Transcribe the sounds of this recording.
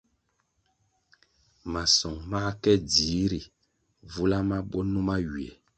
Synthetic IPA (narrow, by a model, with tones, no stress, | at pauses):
ma˨sɔ˨ŋma˦kɛ˦di˨˦ɾi˨ | vu˦la˦ma˦ɓɔ˦nu˦ma˦ɥi˨ɛ˨